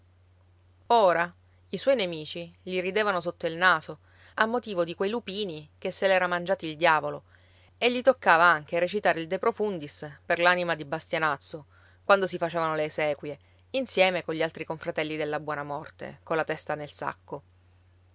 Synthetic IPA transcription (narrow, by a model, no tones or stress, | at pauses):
oːɾa | iswɔjnemiːt͡ʃiʎirid̪eːvanosot̪ːoilnaːzo | amːot̪iːvod̪ikwejlupiːnikesːelɛːɾamand͡ʒaːt̪ild̪jaːvolo | eʎːit̪okːaːvaaŋk̟eɾet͡ʃit̪aːɾeild̪epɾofund̪isperlanimad̪ibast̪janat̪sːo | kwand̪osifat͡ʃeːvanoleːsɛːkwje | insjɛːmekoɲʎːialt̪ɾikoɱfɾat̪ɛlːid̪elːabwɔːnamɔrt̪ḛkolːat̪ɛst̪anelsa̰kːo